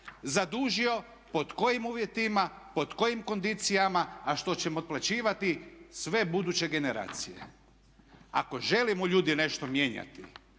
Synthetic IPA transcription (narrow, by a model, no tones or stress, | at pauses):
zad̪uʒio | po̞t̪ko̞jimuːʋje̞t̪ima | po̞t̪ko̞jimko̞nd̪it̪sijamaːʃt̪o̞t͡ɕe̞mot̪̚plat͡ɕiːʋat̪isʋe̞bud̪ut͡ɕe̞ɡe̞ne̞ɾa̰ːt̪sijḛ | a̰ko̞ʒe̞limoʎuːd̪ine̞ʃt̪o̞mje̞ɲa̰t̪ḭ